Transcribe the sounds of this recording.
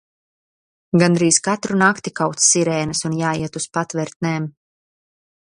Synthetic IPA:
ɡand̪ɾiːskat̪ɾunakt̪ikawt̪ssiɾɛːnɨsunjaːjiɛt̪uspat̪vɛɾt̪nɛːm

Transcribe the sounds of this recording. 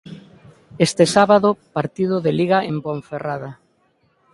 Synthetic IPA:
est̪esaβaðʊpaɾt̪ið̞ʊðeliɣaʔemboɱferaða

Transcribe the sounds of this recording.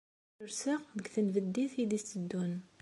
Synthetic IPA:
ʊɾsəʁðəɡθənvəd̪ːiθid̪ist̪əd̪ːun

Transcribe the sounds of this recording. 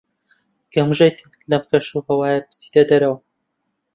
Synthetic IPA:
ɡ̥ɐmʒejt̪i | lɐmkɐʃuhɐwaːjɛpɨ̥si̥d̪ɐd̪ɐɾɐwɐ

